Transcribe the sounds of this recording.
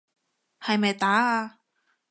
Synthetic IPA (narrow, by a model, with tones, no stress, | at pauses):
hɐ˨jmɐ˨jt̪aː˨˥a˧